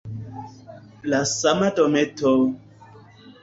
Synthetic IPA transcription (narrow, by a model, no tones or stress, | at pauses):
lasamadometo